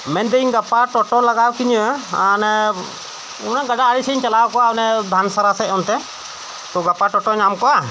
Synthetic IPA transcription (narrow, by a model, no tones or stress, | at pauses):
mɛnd̪ɛiɲɡapaʈɔʈɔlaɡawkiɲəanɛ | unaɡaɖaaɽisəɲt͡ʃalawkɔaɔnɛd̪ʱansaɾasɛɔnt̪ɛ | t̪ɔɡapaʈɔʈɔɲamkɔa